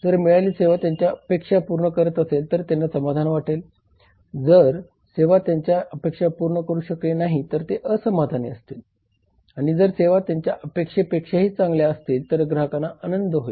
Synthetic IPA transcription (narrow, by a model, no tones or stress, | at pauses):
d͡zəɾmiɭaliːseʋat̪jaɲt͡ɕjaəpekʂapuɾɳəkəɾət̪əselt̪əɾt̪janːasəmad̪ʱanʋaʈʰel | d͡zəɾ | seʋat̪jaɲt͡ɕjaʔəpekʂapuɾɳəkəɾuːɕəklenaɦit̪əɾt̪eʔəsəmad̪ʱanḛəst̪il | aɽ̃id͡zəɾseʋat̪jaɲt͡ɕjaʔəpekʂeəpekʂaɦiːt͡sãŋɡljaəst̪iːlt̪əɾɡɾakanaʔənənd̪ʱəɦoe